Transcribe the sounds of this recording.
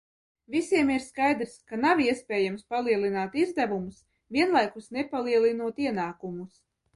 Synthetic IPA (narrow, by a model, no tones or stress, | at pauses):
visiɛmiɾskajd̪ɾskanaviɛspɛːjamspalˠiɛlˠinaːt̪izd̪ævumus | vʲiɛnlˠajkusnɛpalˠiɛlˠinuɔt̪iɛnaːkumus